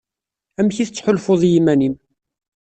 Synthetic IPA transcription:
æmçiθət͡sːħʊlfʊðˤjimænim

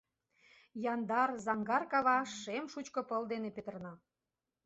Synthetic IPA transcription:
jɑnd̪ɑrzɑŋɡɑrkɑβɑʃːemʃut͡ɕkɤ̆pəld̪enepet̪ərnɑ

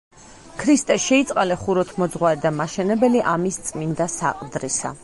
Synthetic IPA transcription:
kʰɾist̪ʼɛsʃɛit̪sʼqʼalɛχuɾɔt̪ʰmɔd̪zʁwaɾid̪amaʃɛnɛbɛliʔamist̪sʼmind̪asa̰qʼd̪ɾisa̰

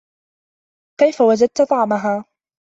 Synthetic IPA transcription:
kajfawad͡ʒad̪̚t̪t̪ˤɑʕmaɦaː

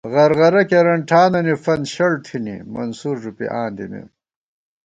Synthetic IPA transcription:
ɣɐɾɣɐɾɐkeɾɐɳʈʰaːnɐnifɐnɕɐɭt̪ʰinḭmɐ̰nsuɾʐupḭʔaːnd̪inḛ

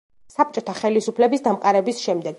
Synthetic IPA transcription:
sap̚t͡ʃʼɔt̪ʰaχɛlisupʰlɛbisd̪amqʼaɾɛbisʃɛmd̪ɛɡ

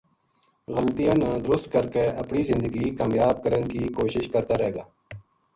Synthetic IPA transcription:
ɣəlt̪ijãːnãːd̪ɾʊst̪kəɾkeːəpɳiːzɪ̃nd̪əɡiːkaːmjaːb̚kəɾənkiːkoːʃɪʃkəɾt̪aːɾəɦeːɡaː

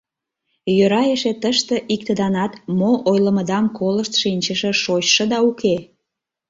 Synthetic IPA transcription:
jøɾɑjeʃet̪əʃt̪əʔik̚t̪əd̪ɑnɑt̪moʔojlə̆məd̪ɑmkoləʃt̪ʃinʲt͡ɕəʃĕʃot͡ɕʃə̆d̪ɑuke

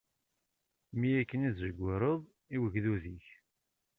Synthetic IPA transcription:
mijækːənizzəɡʷːəɾˤəðˤ | iwəʝðuðiç

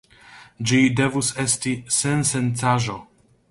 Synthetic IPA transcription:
d͡ʒidevusestisensent͡saʒo

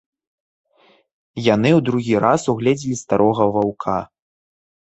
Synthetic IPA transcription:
jan̪ɨwd̪ɾuɣʲiɾasuɣlʲɛd͡zʲilʲist̪aɾʔɔɣɐvawkʰa

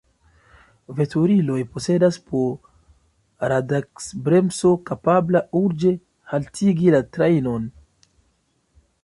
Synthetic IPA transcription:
ve̞tʰuɾilo̞jpo̞se̞daspʰo̞ | ɾadaksbɾe̞mso̞kapablauɾd͡ʒe̞ | haltʰiɡilatɾejno̞n

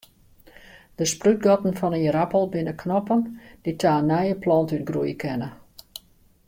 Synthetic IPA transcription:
d̥əspryt̚ɡɔtən̩fɔnəəɾapəlˠbɪnəkʰnɔpənd̥itʰaːnɛjəplɔntyt̚ɡrujkʰɛnə

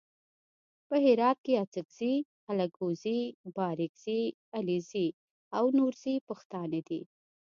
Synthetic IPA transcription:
pəhɪɾɑt̪̚keat͡sɪkz̥i | alaɡozibɑɾɪɡz̥i | alizi | awnuɾzipəxt̪ɑned̪i

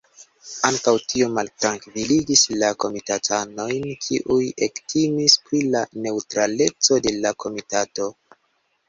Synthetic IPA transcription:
aŋkawtio̞maltɾaŋkviliɡislako̞mitatʰano̞jnkʰiʔuje̞ktʰimispɾilane̞utɾale̞t͡so̞de̞lakʰo̞mitato̞

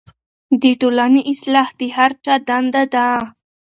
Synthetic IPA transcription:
d̪iʈ̪ulaniʔɪslaht̪iɦaɾʈ͡ʂad̪and̪ad̪ã

